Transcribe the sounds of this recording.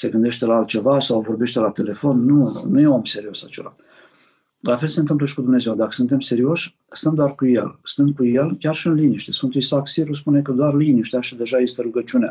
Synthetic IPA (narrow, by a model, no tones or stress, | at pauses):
se̞ɡɨnd̪e̞ʃt̪e̞laalt̪̚t͡ʃe̞vasawvo̞rbe̞ʃt̪e̞lat̪e̞le̞fo̞nːunujeomse̞ɾio̞sat͡ʃe̞la̰ | lafe̞lse̞nt̪ɨmpləʃi̥kud̪umne̞zewd̪akə̥sɨnt̪e̞mse̞ɾio̞ʃʲ | st̪əmd̪oarkuje̞̰lst̪ɨnd̪̚kuje̞lkʲarʃiɨnliniʃt̪e̞sfɨnt̪uisaksiɾus̬pune̞kəd̪oarliniʃt̪eaʃid̪e̞ʒaje̞st̪e̞ɾuɡət͡ʃiunea̰